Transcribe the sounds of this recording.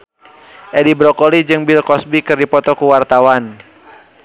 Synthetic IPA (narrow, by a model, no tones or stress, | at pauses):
ʔɛdibɾɔkɔlid͡ʒɨŋbilkɔsbikɨrdipɔt̪ɔkuwart̪awan